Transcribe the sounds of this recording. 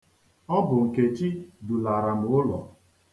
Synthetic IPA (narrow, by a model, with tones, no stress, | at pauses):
ɔ˦bʊ˨ŋ̩˨ke˨t͡ʃi˦du˨la˨ɾa˨m̩˨ʊ˦lɔ̰˨